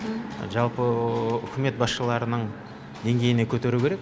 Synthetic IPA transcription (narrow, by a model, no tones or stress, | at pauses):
ʒɑlˠpəʏ̰kʲʰɪme̞t̪̚bɑsʃəlˠɑɾənəɴ | d̪e̞ŋɡʲe̞jɪne̞kʲʰɵt̪e̞ɾukʲʰeɾe̞k̚